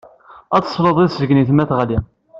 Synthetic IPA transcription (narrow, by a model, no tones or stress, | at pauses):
ɑt͡s̪ːsˤləðˤiðszəɡniθmæθʁali